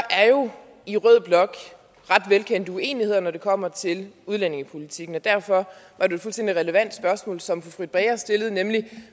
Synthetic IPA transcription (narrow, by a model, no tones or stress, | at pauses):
ɑ̈ʔæɐjo̝ | iʁœð̞̰ˠb̥lɒ̽ɡ̥ | ʁɑ̈d̥ʋelkʰen̰d̥əue̝̰ːnihe̝ð̞̰ˠɐnɒd̥e̝kʰɒ̽m̰ɐt͡sʰe̝luð̞ˠlæne̝ŋəpʰo̝lit͡sʰiɡ̥n̩ɒ̽d̥æɐ̰fɒ̽ʋɑ̈ɾ̥ee̝d̥fulsd̥ḛn̰d̥iʁɛləʋæn̰d̥sb̥ɶɐsmɔ̰̽ːlsɒ̽mfofʁid̥̚ˠb̥ʁɛːɐsd̥e̝lð̩ˠnemli